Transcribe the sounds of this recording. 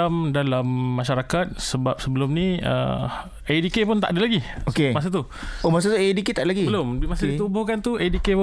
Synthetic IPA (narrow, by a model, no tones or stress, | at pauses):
amdalamːaʃaɾakat̪̚səbap̚səbəlʊmniə̰ | edikepʊnt̪aʔadəlaɡiokemas̬at̪u | omas̬at̪uediket̪aʔdəlaɡibəlʊmimasadit̪ubʊhkant̪uʔedikep